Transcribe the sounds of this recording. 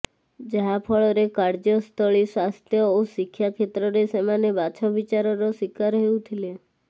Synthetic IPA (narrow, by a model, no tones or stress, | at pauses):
d͡ʒaɦapʰɔɭɔɾekaɾd͡ʒjɔst̪ʰɔɭiswast̪ʰjɔosikʰːjakʰet̪ɾɔɾesemanebat͡ʃʰɔʋit͡ʃaɾɔɾosikaɾɦeũt̪ʰile